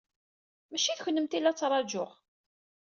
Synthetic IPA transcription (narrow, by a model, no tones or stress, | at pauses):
mæʃiθçənːəmt̪ilːæt͡sːɾˤɑd͡ʒʊʁ